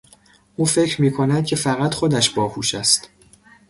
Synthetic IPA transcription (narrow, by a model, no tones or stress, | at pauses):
ʔuːfe̞cʰɾmiːkʰo̞næd̪̥̚cʰe̞fæɣæt̪χo̞d̪æʃb̥ɒːhuːʃæst̪